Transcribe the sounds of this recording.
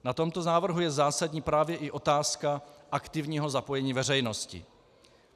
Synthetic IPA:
nat̪o̞mt̪o̞naːvr̩ɦujɛzaːsadɲiːpɾaːvjɛʔɪʔo̞t̪aːskaʔakt̪ɪvɲiːɦo̞zapo̞jɛɲiːvɛr̝ɛjno̞scɪ̰

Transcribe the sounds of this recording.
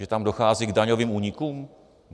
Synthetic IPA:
ɛt̪amdo̞xaːziɡdaɲoviːmuːɲɪkuːm

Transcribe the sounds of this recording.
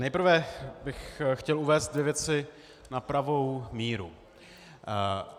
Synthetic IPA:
nɛjpr̩vɛbɪxxcɛluvɛːst̪̚dvɪvjɛt͡sɪ | napɾavo̞wmiːɾṵ

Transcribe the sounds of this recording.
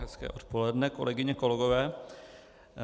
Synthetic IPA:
ɦɛskɛ̰ːʔo̞t̪po̞lɛdnɛko̞lʔɛɡɪɲɛko̞lɛɡovɛː

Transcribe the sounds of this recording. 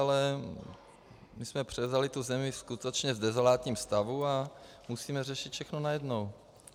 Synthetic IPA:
alɛ | mɪsmɛpr̝̥ɛvzalɪt̪uzɛmɪskut̪ɛt͡ʃɲɛzdɛzolaːt̪ɲiːmst̪avua | musiːmɛrɛʃɪt̪fʃɛxnonajɛdnow

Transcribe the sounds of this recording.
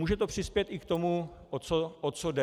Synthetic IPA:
uːʒɛt̪o̞pr̥ɪspjɛt̪ɪkt̪omuʔot͡soʔot̪̚t͡sodɛ

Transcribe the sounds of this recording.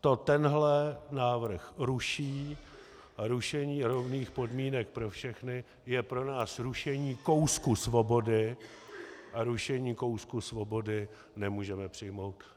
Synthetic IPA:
t̪o̞t̪ɛnɦlɛnaːvr̩xɾuʃiː | aɾuʃɛɲiːɾo̞vniːxpo̞dmiːnɛk̚pɾo̞fʃɛxnɪ | jɛpɾo̞naːsɾuʃɛɲiːko̞wskusvo̞bo̞dɪ | ʔaɾuʃɛɲiːko̞wskusvo̞bo̞dɪ | nɛmuːʒɛmɛpr̝̥ɪjmo̞wt̪

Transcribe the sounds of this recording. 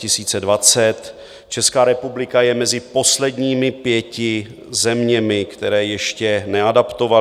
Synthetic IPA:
ɪsiːt͡sɛdvat͡sɛt̪ | t͡ʃɛskaːɾɛpublɪkajɛmɛzɪpo̞slɛdɲiːmɪpjɛcɪ | zɛmɲɛmɪkt̪ɛɾɛːjɛʃcɛnɛadapt̪o̞va

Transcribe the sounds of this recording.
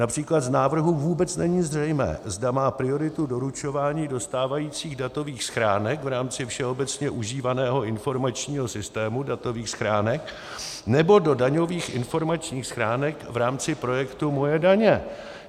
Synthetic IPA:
napr̥iːklad̪znaːvr̩ɦuvuːbɛt͡snɛɲiːzrɛjmɛ̰ːzdamaːpɾɪo̞ɾɪt̪udo̞ɾut͡ʃo̞vaːɲiːdo̞st̪aːvajiːt͡siːɣdat̪o̞viːxsxɾaːnɛkvɾaːmt͡sɪfʃɛʔo̞bɛt͡sɲɛʔuʒiːvanɛːɦo̞ʔɪnfo̞ɾmat͡ʃɲiːɦosɪst̪ɛːmudat̪o̞viːxsxɾaːnɛk | nɛbo̞do̞daɲo̞viːxʔɪ̰nfo̞ɾmat͡ʃɲiːxsxɾaːnɛkvɾaːmt͡sɪpɾo̞jɛkt̪umo̞jɛdaɲɛ

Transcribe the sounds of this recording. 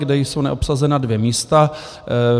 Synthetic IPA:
ɡdɛjsownɛ̰ʔo̞psazɛnadvjɛmiːst̪a

